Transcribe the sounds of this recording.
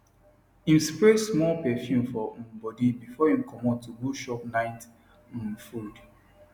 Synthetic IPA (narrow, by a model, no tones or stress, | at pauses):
ĩmspɹesmɔlpɛfjũmfɔm̩bɔdibifɔĩmkʰɔmɔ̃ntuɡoʃɔpnaɪt̩ | fud